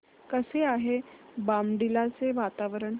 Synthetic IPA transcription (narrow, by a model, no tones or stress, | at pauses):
kəseaɦebamɖilat͡seʋat̪aʋəɾəɳ